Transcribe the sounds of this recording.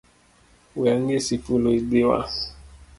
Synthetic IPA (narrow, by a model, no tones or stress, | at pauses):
wiaŋesifuloidewa̰